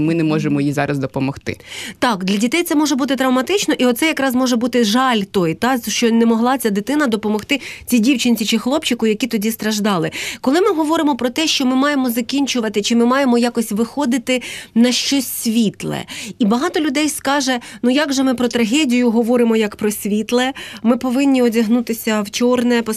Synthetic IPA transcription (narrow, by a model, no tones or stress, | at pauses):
mɪnɛmɔʒemɔjizɑɾʔɐzd̪ɔpɔmɔxt̪ɪ̰t̪ɑkd̪lʲɐdʲit̪ɛjt̪sɛmɔʒɛbut̪ɪt̪ɾɐwmɐt̪ɪt͡ʃnɔʔiɔt̪sɛjɐkɾɑzmɔʒɛbut̪ɪʒɑlʲt̪ɔjt̪ɑʃt͡ʃɔnɛmɔɦlˠɑt͡sʲad̪ɪt̪ɪnɐd̪ɔpɔmɔxt̪ɪt͡sʲidʲiwt͡ʃɪnʲt͡sʲit͡ʃɪxlˠɔpt͡ʃɪkʊjɐkʲit̪ɔdʲist̪ɾɐʒd̪ɑlˠɪkɔlˠɪmɪɦɔʋɔɾɪmɔpɾɔt̪ɛʃt͡ʃɔmɪmɑjemɔzɐkʲinʲt͡ʃʊʋɐt̪ɪt͡ʃɪmɪmɑjemɔjakɔsʲʋɪxɔd̪ɪt̪ɪnɐʃt͡ʃɔsʲsʲʋʲit̪lˠɛ̰ibɐɦɑt̪ɔlʲʊd̪ɛjskɑʒɛnujaɡʒɛmɪpɾɔt̪ɾɐɦʲɛdʲijʊɦɔʋɔɾɪmɔjɐkpɾɔsʲʋʲit̪lˠɛmɪpɔʋɪnʲːiɔdʲɐɦnut̪ɪsʲɐwt͡ʃɔrnɛp